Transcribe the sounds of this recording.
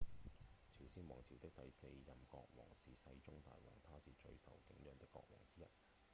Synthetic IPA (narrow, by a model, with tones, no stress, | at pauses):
t͡sʰiː˨˩wsiː˥nwɔː˨˩ŋt͡sʰiː˨˩wt̪ɪ˥k̚t̪ɐ˨jse˧jːɐ˨˩mkɔː˧k̚wɔ̰ː˨˩ŋsiː˨˩sɐ˧jt͡sʊ˥ŋt̪a̰ː˨jwɔ̰ː˨˩ŋt̪ʰaː˥siː˨˩t͡ʃɵ˧ɥsɐ̰˨wkɪ˨˥ŋjœː˧ŋt̪ɪ˥kːɔ̰ː˧k̚wɔ̰ː˨˩ŋt͡siː˥jɐ˥t̚